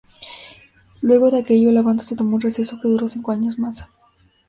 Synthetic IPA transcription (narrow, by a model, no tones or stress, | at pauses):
lwe̞ɣo̞ðeake̞ʝo̞laβant̪ḁset̪o̞mounrese̞so̞ke̞ðuɾo̞siŋko̞aɲo̞zmas